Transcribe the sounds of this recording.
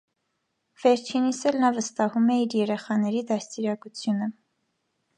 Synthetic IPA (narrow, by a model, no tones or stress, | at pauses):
v̥ɛɾt͡ʃʰinisɛlnɑvəst̪ɑhumɛiɾjɛɾɛχɑnɛɾid̪ɑst̪iɾɑkut͡sʰjunə